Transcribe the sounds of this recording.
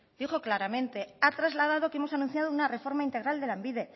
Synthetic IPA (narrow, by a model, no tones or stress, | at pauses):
d̪̥ixo̞klaɾamẽ̞nt̪e̞at̪ɾazlað̞að̞o̞keemo̞sanũnθjaðounare̞fo̞ɾmaint̪e̞ɣɾald̪e̞lambiðe̞